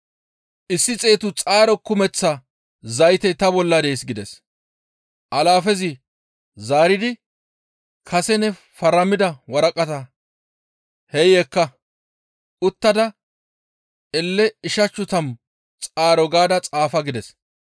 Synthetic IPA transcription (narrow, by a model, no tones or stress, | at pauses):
ʔɪsːɪt͡sʼe̞ːt̪ʊt͡sʼaːɾɔkːʊmɛt͡sːɐ | zɐjt̪ɛjt̪ɐbɔlːɐd̪ejsɡɪd̪ɛs | ʔɐlaːfɛzɪ | zaːɾɪd̪ɪ | kʰɐsɛnɛ | fɐɾɐmɪd̪ɐwɐɾɐkʼɐt̪ɐ | hɛjekːɐ | ʊt̪ːɐd̪ɐ | ɛlːɛɪʃɐt͡ʃːʊt̪ɐm | t͡sʼaːɾɔɡaːd̪ɐt͡sʼaːfɐɡɪd̪ɛs